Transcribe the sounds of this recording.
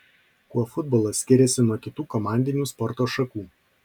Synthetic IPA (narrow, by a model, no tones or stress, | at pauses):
kuɔfʊd̪̚bɔːlˠɐsʲkʲɪɾʲɛsʲɪnuɔkʲɪt̪uːkɔmɑˑnʲd̪ʲɪnʲuːspɔɾt̪oːʃɐkuː